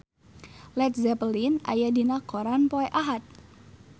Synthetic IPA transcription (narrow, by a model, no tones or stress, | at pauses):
lɛt̪̚zɛpəlina̰jadinakɔɾanpɔɛʔaɦat̪̚